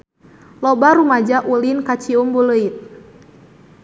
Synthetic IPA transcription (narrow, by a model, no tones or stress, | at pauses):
lɔbaɾumad͡ʒaʔulinkat͡ʃiumbuləit̪̚